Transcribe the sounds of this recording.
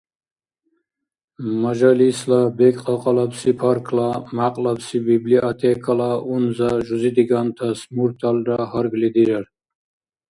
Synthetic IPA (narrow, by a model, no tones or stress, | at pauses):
maʒalislabɛkʼqʼaqʼalapsipʰaɾkʰlamaqʼlapsibibliʔat̪ʰɛkʰalaunzaʒuzid̪iɡant̪ʰasmuɾt̪ʰalɾaɦaɾɡlid̪iɾaɾ